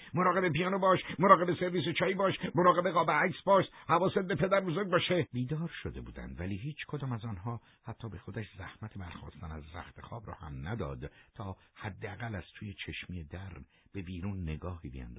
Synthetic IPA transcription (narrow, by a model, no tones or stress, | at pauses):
moɾɒːɣe̞be̞pijɒːnobɒːʃmoɾɒːɣe̞beseɾvis̬et͡ʃʰɒːjiːbɒːʃmoɾɒːɣe̞beɣɒːbæɾæksbɒːʃhævɒːset̪̚bepʰe̞d̪æɾbozoɾɡ̚bɑʃebiːd̪ɒːɾʃod̪e̞bṵːd̪æ̰nd̪væliːɦiːt͡ʃʰkʰod̪ɒːmæzɒːnɦɒː | hæt̪ʰːɒːbe̞xo̞d̪æʃzæ̰hmæt̪ʰebæɾxɔ̰ːst̪ænæzɾæ̰xt̪ʰexɒːbɾɒ̰ːhæ̰mnæd̪ɒ̰ːd̪t̪ʰɒːhæd̪ːeæɣælæz̥t̪ʰuːjet͡ʃʰeʃmiːjed̪æɾ | b̥e̞biːɾuːnːe̞ɡɒːhiːbḛæ̰nd̪ɒ̥